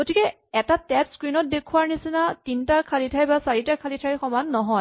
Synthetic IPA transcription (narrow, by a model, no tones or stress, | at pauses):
ɡotikɛ | ɛtatɛtskɹinɔt̚dekʰuaɹnisinatintakʰalitʰajbasaɹitakʰalitʰajxɔmanːɔɦɔj